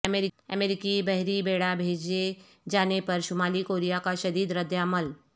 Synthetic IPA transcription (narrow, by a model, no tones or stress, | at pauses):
əmeːɾɪə̰meːɾɪkibɛɦɾibeːɽabʱeːd͡ʒe | d͡ʒaːnepɐɾʃʊmaːlikoːɾijakaʃɐd̪iːd̪ɾəd̪jaːməl